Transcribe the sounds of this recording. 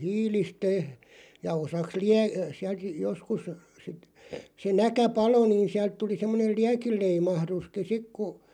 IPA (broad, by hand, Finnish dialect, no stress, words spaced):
hiːlistø jɑ osɑks liæ siælt joskus sit se nækæ pɑlo niːn siælt tuli semːonel̆ liækilˑeimɑhɾuski sik ku